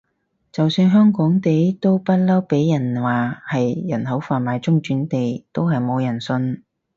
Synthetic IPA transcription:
t͡sɐ˨wsyː˧nɦœː˥ŋkɔː˨˥ŋt̪e˨˥jt̪o˥wpɐ˥t̚lɐ˥wpe˨˥jjɐ˨˩nwaː˨hɐ˨jːɐ˨˩nhɐ˨˥wfaː˨˩nmaː˨˧jt͡sʊ˥ŋt͡ʃyː˨˥nt̪e˨jt̪o˥wɦɐ˨jmo˨˧wjɐ˨˩nsɵ˧n

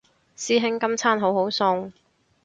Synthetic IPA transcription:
siː˥ɦɪ˥ŋkɐ˥mt͡sʰaː˥nɦo˨˥who˨˥wsʊ˧ŋ

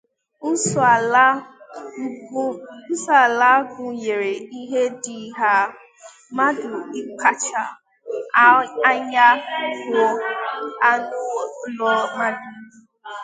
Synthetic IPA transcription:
ʊ˦sa˨la˦ɡʊ˨ɲe˨ɾe˨i˦ɦe˦dɪ˨ɦa˦ | ma˦dʊ˨i˦ka˦t͡ʃa˨˦ | a˦ɲa˦ɡʊ˨ | a˦nʊ˦lɔ˦ma˦dʊ˨˦

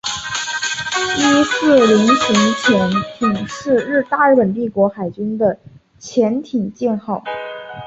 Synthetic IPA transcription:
i˥sɹ̩˥˩li˧˥nɕʰi˧˥ŋt͡ɕʰjɛ˧˥nt̪ʰi˨˩ŋʂɻ̩˥˧ɻɻ̩˥˧t̪a˥˧ɻ̩˥˩pə˨˩nt̪i˥˩kwɔ˧˥xa˨˩ɪt͡ɕy˥nd̪ə˨ | t͡ɕʰjɛ˧˥nt̪ʰi˨˩ŋt͡ɕjɛ˥˧nxɑ˥˩ʊ

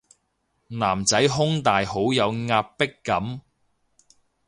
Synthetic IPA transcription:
naː˨˩mt͡sɐ˨˥jɦʊ˥ŋt̪aː˨jho˨˥wjɐ˨˧wŋaː˧p̚pːɪ˥kːɐ˨˥m

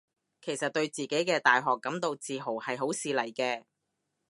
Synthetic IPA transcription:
kʰe˨˩jsɐ˨t̚t̪ɵ˧ɥt͡siː˨˩ke˨˥jkɛː˧t̪aː˨jɦɔː˨kːɐ˨˥mt̪o˨˧wt͡siː˨ɦo˨˩whɐ˨jɦo˨˥wsiː˨˧lɐ˨˩jkɛː˧

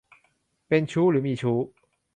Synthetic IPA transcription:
pɛ˥˧˨nt͡ɕʰu˥˦ly˧˥˦mi˥˧˩t͡ɕʰu˦

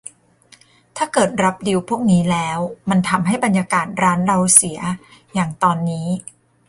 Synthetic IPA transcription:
t̪ʰaː˥˩kɤː˨˩t̪̚ɾa˦˥p̚di˧wpʰu˥˩ək̚niː˦˥lɛː˦˥wma˧nt̪ʰa˧mɦa˥˩jba˧njaː˧kaː˨˩t̪̚ɾaː˦˥nɾa˧wsi˩˦ɐjaː˨˩ŋt̪ɔː˧nːiː˦˥

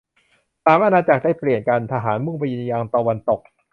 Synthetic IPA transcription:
saː˨˩˦mʔa˧naː˧t͡ɕa˨˩k̚daː˥˩jpli˨˩ənka˧nt̪ʰa˧ɦaː˩˦nmu˥˩pa˧ji˧njaː˧ŋt̪a˧wa˧nt̪o˨˩k̚

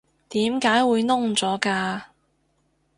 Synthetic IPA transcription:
t̪iː˨˥mkaː˨˥jwuː˨˧jnʊ˥ŋt͡sɔː˨˥kaː˧

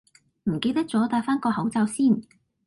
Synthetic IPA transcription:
m̩˨˩ke˧jt̪ɐ˥k̚t͡sɔː˨˥t̪aː˧faː˥nkɔː˧hɐ˨˥wt͡sɐ˧wsiː˥˩n

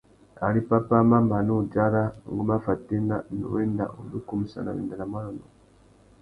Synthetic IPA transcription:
a̰˨li˦pa˦pa˦ma˦mba˨nu˦˨d͡ʒa˦ɾa˦ŋ˨ɡu˦ma˦fa˨ti˦na˦nṵ˨wɛ˦nda̰˨ʔu˨du˦ku˦mi˨sa̰˨na̰˨wḭ˨nda˨la˨mwa˦lɔ˨nu˨

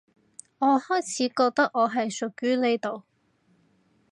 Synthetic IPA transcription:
ŋɔː˨˧hɔː˥jt͡sʰiː˨˥kɔː˧k̚t̪ɐ˥k̚ŋɔː˨˧ɦɐ˨jsʊ˨˩kɥyː˨˥le˨˧jt̪o˨w

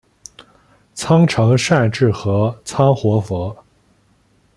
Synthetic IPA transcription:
t͡sʰɑ˥ŋʈ͡ʂʰɤ˧˥ŋʂa˥˧ɪʈ͡ʂɻ̩˥˩xɤ˧˥t͡sʰɑ˥ŋxwɔ˧˥fɤ˧˥

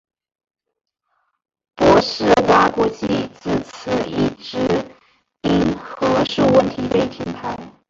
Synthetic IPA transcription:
pwɔ˧˥ʂɻ̩˥˩wa˥ku˥˧t͡ɕi˥˩t͡sɹ̩˨˩t͡s̩ʰ˧˩ḭ˥˩ʈ͡ʂɻ̩˧˥ | i˥nxɤ˧˥ʂu˥˧wə˥˩nt̪ʰi˧˥pe˥˩ɪt̪ʰi˧˥npʰa˧˥ɪ

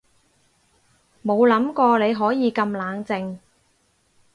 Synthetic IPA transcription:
mo˨˧wlɐ˨˥mkɔː˧le˨˧jɦɔː˨˥jiː˨˧kɐ˧mlaː˨˧ŋt͡sɪ˧ŋ

